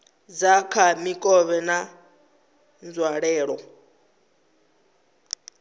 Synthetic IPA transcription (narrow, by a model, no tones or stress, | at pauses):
d͡zakʰamikʼɔβɛna | nd͡zwaɺɛːɺɔ